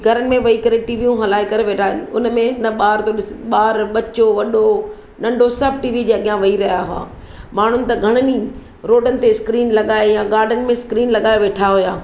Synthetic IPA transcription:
ɡʱɐɾənɪ̆mẽʋɐikɐɾeʈiːʋijũɦɐlaːikɐɾeʋeːʈʰaːɦɪnʊnmẽnɐɓaːɾt̪oɗɪsɪɓaːɾɓɐt͡ɕoʋɐɗo | nɐ̃ɳɖʱosɐbʱʈiːʋid͡ʑeːɐɠjãʋɐiɾɐɦjaɦʊa̰ː | maːɳ̤ʊnɪ̆t̪ɐɡʱɐɽ̃əni | ɾoːɖənɪt̪eskɾiːnlɐɠaːejãɡaːɾɖənɪ̆mẽskɾiːnlɐɠaːeʋeːʈʰaɦʊjaː

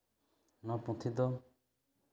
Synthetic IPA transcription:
nɔ̃pũt̪ʰid̪ɔ

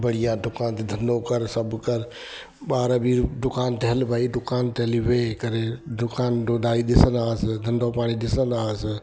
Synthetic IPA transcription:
bəɽ̤ijãd̪ʊkaːnt̪ed̪ʱɐnɖokəɾsəbkəɾ | ɓaːɾbʱiɖʊkaːnt̪əɦəlbʱaːid̪ʊkaːnt̪eɦliʋekəɾeɖʊkaːnɖoːdaːid̪ɪsənaːsd̪ʱɐnɖopaːɽ̃id̪ɪsənaːs

